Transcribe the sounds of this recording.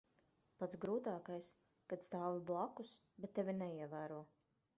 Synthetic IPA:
pat̪sɡɾuːt̪aːkajs | kat̪st̪aːwviblˠakus | bɛt̪ːevʲinɛiɛvæːɾuɔ

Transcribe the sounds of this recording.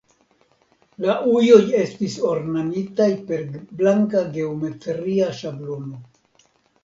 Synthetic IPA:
laʔujo̞je̞stiso̞ɾnanitajpe̞ɾblaŋkaɡe̞ome̞tɾiaʃablo̞no̞

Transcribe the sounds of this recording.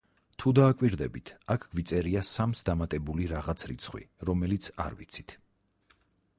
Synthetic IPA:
t̪ʰud̪aːkʼwiɾd̪ɛbit̪ʰakʰɡ̥vit̪sʼɛɾiasamsd̪amat̪ʼɛbuliɾaʁat̪sʰɾḭt̪sʰχwḭɾɔmɛlit̪sʰa̰ɾvit̪sʰi̥t̪ʰ

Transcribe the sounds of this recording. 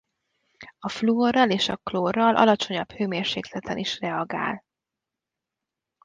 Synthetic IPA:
ɒfluorːɒleːʃɒkloːrːɒlʔɒ̰lɒt͡ʃoɲɒbhøːmeːrʃḛːklɛt̪ʰɛnʔiʃrɛɒɡa̰ːl

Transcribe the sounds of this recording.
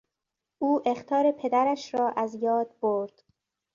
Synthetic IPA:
ʔuːʔe̞xt̪ʰɒːɾe̞pʰe̞d̪æɾæʃɾɒːʔæzjɒːd̪̚boɾd̪̥

